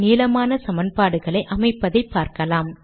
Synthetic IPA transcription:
niːlɐmaːnɐsɐmɐnpaːɽɯɣɐɭɐɪʔɐmɐɪpːɐðɐɪpːaːɾkɐlaːm

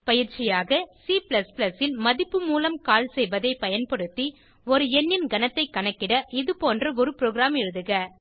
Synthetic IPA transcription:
pɐjɪɾt͡ʃɪjaːɣɐsiplɐsplɐsɪlmɐðɪpːɯmuːlɐmkaːlsɛjʋɐðɐɪpɐjɐnpɐɽɯt̪ːi | ɔɾɯɛnːɪnɡɐnɐt̪ːɐɪkːɐɳɐkːɪɽɐʔɪðɯpoːndrɐɔɾɯpɾoːɣɪɾaːmɛɻɯðɯɣɐ

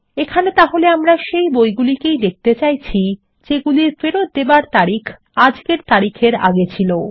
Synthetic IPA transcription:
ekʰanet̪aɦoleamɾaʃejbojɡulikejd̪ek̚ʰt̪et͡ɕajt͡ɕʰi | d͡ʑeɡuliɾfeɾot̪̚d̪ebaɾt̪aɾikʰ | ad͡ʑkeɾt̪aɾikʰeɾa̰ɡet͡ɕʰilo

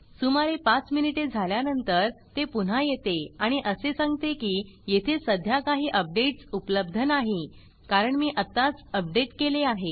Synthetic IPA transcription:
sumaɾepat͡sminiʈed͡zʱaljanənt̪əɾt̪epun̤ajet̪eaɽ̃iʔəsesaŋɡt̪ekiː | jet̪ʰesəd̪ʱjakaɦiːʔəp̚ɖeʈsupləb̚d̪ʱənaɦi | kaɾəɳmiːʔət̪ːat͡səp̚ɖeʈkeleaɦe

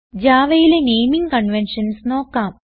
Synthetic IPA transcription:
d͡ʑaːʋɐjilenejmiŋɡkɐɳʋenʂɐnsno̞ːkːaːm

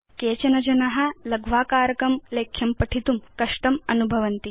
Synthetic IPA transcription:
keːt͡ʃɐnɐd͡ʒɐnɐɦɐ̆lɐɡʱʋaːkaːɾɐkɐmleːkʰjɐmpɐʈʰit̪umkɐʂʈɐmɐnubʱɐʋɐnt̪i

